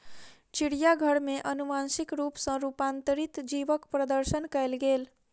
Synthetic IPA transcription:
t͡ʃiɽijaɡʱəɽmeʔənumansikɾupsə̃ɾupant̪əɾit̪d͡ʒibəkpɾəd̪əɾsənkəelɡel

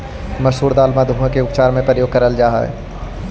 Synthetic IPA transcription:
mɐʃɦuːɾd̪aːlmad̪ʱuẽkeʊpt͡ʃaːɾmẽpɾəjoːɡ̚kɐɾəld͡ʒaːɦa̰ɛ̰

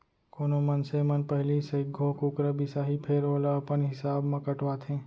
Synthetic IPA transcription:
koːnomɐnsemɐnpɛɦlisɐɪɡʱõːkʊkɾəbisaːɦipʰeɾoːlaɐpənɦɪsaːbmãkɐʈʋaːt̪ɦẽː

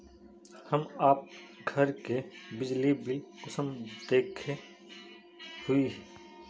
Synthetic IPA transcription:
hɐmaːp̚ɡʱɐɾkebɪd͡ʒlibɪlqɪsəmd̪eːkʰe | hʊiɦɛː

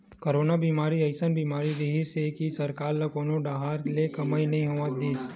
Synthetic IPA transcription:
koɾonabimaːɾiəɪsənbiːmaːɾid̪iɦisekisəɾkaːɾlɐkonõɖaɦaɾlekɐmainəɐɦĩɦoʋãt̪̚d̪iːs

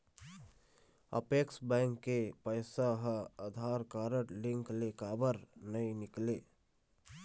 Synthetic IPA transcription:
ə̰peːksbɛ̃ːŋkːepəɪsaɦəd̪ʱaːɾkaːɾəʈlɪ̃ŋklekaːbəɾnəinɪkleː

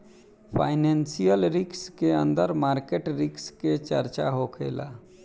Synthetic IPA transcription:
pʰa̰ːɪnɛ̃ːnsijəlɾɪkskeə̰̃nd̪əɾmaːɾkeʈɾɪksket͡ʃəɾt͡ʃaɦoːkʰḛːla̰ː

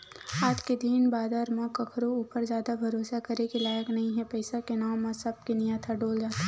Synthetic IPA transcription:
aːd͡ʒked̪iːnbaːd̪aɾmãkɐkʰɾouːpəɾzjaːd̪abʱɐɾoːsakɐɾekilaːjəknɐɦĩɦɛpɐɪsakenaːmːãsɐb̚kenɪjat̪ʰaɖoːld͡ʒaːt̪a

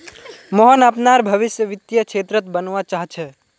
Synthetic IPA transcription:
mɔɦənəpnaɾbʱəʋɪsjəʋɪt̪jəkt͡ʃʰeːt̪ɾət̪bənʋat͡ʃaɦt͡ʃʰɛ

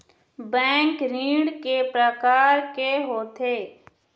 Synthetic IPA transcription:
bɛ̃ːŋkɾiːɽkepɾəkaːɾkeɦoːt̪ʰeː

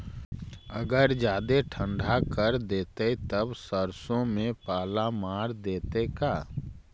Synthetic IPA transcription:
ɐ̰ɡəɾd͡ʒjaːd̪eʈʰə̃ɳɖʱakəɾd̪eːt̪et̪əbsəɾsõmẽpaːlamaːɾd̪eːt̪ekaː

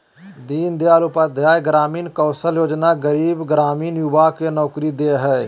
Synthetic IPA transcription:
d̪iːnd̪jaːlʊpad̪ʱjaːjɡɾaːmiːnkɔːsəljoːd͡ʒnaɡəɾiːbɡɾaːmiːnjʊbakenɔːkɾid̪eɦɛː

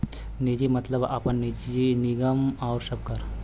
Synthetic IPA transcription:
nid͡ʒimɐt̪ləba̰pənːid͡ʒinɪɡəmɔːɾsɐb̚kəɾ

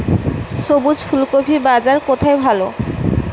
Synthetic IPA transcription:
ʃobud͡ʑpʰulkobʰʱibad͡ʑaɾkot̪ʰaejbʱalo

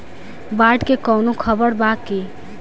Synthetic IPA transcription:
baɖkekɔwnokʰəbəɾbakːe

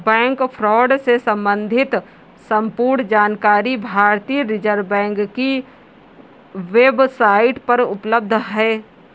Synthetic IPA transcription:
bɛ̃ːŋkpʰɾɔːɖsesə̃mbə̃nd̪ʱɪt̪ | sə̃mpuːɾɳd͡ʒaːnkaːɾibʱaːɾt̪iːɾɪd͡ʒəɾbɛ̃ːŋkki | ʋeːbsaːɪʈpɐɾʊpləb̚d̪ʱɦɛː

